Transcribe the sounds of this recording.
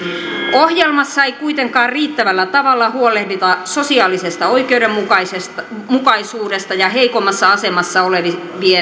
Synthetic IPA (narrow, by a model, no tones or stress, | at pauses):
ohjelmɑsːɑeikuit̪eŋkɑːrriːt̪ːæʋælːæt̪ɑʋɑlːɑhuolˑehdit̪ɑso̞siɑːlisest̪ɑoikeudemːukɑsest̪ | mukɑisuːdest̪ɑjɑɦeikomːˑɑsːɑɑsemɑsːɑoleʋi | ʋie